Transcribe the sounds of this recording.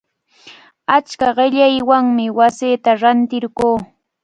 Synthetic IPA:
at͡ʃkaɢɪʎajwaŋmɪwaseːt̪aɾant̪ɪɾɢoː

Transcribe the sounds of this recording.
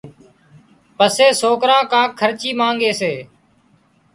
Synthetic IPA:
pəseːsoːkɾãːkãːkʰəɾt͡ʃiːmãːŋɡeːseː

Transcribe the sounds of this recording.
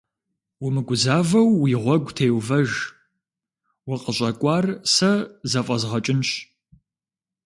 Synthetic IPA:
wʊmɨɡʷʊzaːvɐwːiːʁʷɔɡʷtʰeːwvɐʒ | wɐqəɕʼɐkʷʼɑːrsɐzɐfʼɐzʁɐt͡ʃʼɪnɕ

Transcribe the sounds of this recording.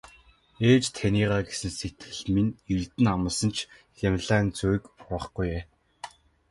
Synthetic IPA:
eːt͡ɕt̪ʰaniːʁaːɡesɘ̆nset̪ɡɘ̆ɮminirt̪ɘ̆namə̆sə̆nt͡ɕʰ | xʲamʲɮæːnt͡sujkʊχɡujeː

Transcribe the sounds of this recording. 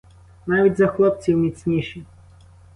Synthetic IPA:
naʋʲitʲzɐxlˠɔp̚t͡sʲiwmʲit͡sʲnʲiʃi

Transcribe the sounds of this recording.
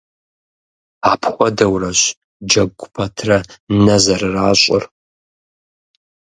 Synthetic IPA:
aːpʰχʷʼɔdɐwrɐɕ | d͡ʒɐɡʷʊpʰɐtʰrɐnɐzɐrɨraːɕʼɪr

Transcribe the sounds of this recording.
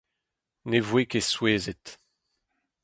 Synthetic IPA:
nevwekesweːzet̪

